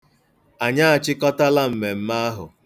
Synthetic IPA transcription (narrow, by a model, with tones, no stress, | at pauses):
a˨ɲa˦a˨t͡ʃɪ˦kɔ˦ta˦la˦m̩˨me˨m̩˦ma˦a˦ɦʊ̰˨